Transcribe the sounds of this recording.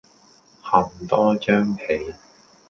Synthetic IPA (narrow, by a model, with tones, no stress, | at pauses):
hɐ˨˩mt̪ɔː˥t͡ʃœː˥ŋhʰe˨˥j